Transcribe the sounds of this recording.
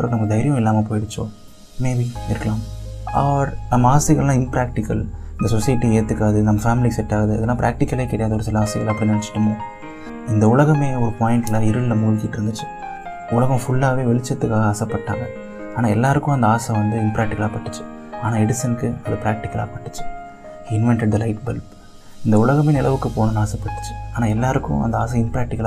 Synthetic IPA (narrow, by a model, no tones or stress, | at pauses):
ɾɐkːnɐmːɡd̪ɐɪɾɪjɐ̃ɪlːaːmɐp̬oːjɪɽɯt͡ʃːõ̰ː | meːbiɪɾɯkːɐlaːmɐ̰ʋʋɐɾnɐmːɐaːsɪɣɐɭlãːɪnpɾaːk̚ʈɪkːɐlɪnd̪ɐsɔsɐjɪʈːieːt̪ːɯkːaːðɯnɐmːɐfaːmɪlisɛʈːaːɣɐðɯɐ̰ðɐlːãːpɾʔa̰ːk̚ʈɪkːɐleːkːɪɽɐjaːðɐɔɾɯsɪlɐaːsɪɣɐɭɐpːɐɽinɐɽɐt͡ʃːɪ̥ʈːɯmoː | ɪnd̪ɐʊɭɐɣɐmeːɔɾɯpaːjɪɳʈːɪlãːɪɾɯllɐmuːlkiːʈːɯɾɯnd̪ɯt͡ʃːɯ̥ | ʊlɐɣɐ̃fʊɭːaːʋeːʋɛɭɪt͡ʃːɐt̪ːɯkːaːɣɐɐsɛpːɐʈːa̰ːŋɡɐ | aːnaːɛlːaːɾɯkːʊ̃ɐnd̪ɐaːsɐ̃ʋɐnd̪ɯɪmpɾaːk̚ʈɪkɐlaːpɐʈːɯ̥t͡ʃːɯ̥ | aːnaːɛɽɪsɐnkːɯɐlɯpɾaːk̚ʈɪkːɐla̰ːpɐʈːɯ̥t͡ʃːɯ̥ | ɪnʋɛɳʈɛɖd̪ɐlɐɪʈbɛlp | ɪnd̪ɐʊɭɐɣɐmeːnɪlɐʋɯkːɯpoːnɐ̃naːsɐpːɐʈːɯ̥t͡ʃːɯ̥aːnaːɛlːaːɾɯkːʊ̰̃ɐ̰nd̪ɐa̰ːs̬ɐ̃ɪmpɾaːk̚ʈɪkːɐlː